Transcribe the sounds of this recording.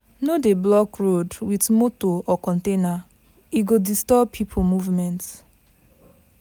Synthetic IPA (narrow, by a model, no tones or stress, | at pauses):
nodeblɔkɹodwitmotoɔkɔ̃ntena | iɡodistɔpʰipʰomuvmɛ̃nt